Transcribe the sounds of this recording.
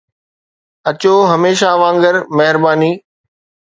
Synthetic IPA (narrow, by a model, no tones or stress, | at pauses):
ɐt͡ɕoːɦɐmeːʃaʋãːŋɡəɾmɐɦɪɾbaːniː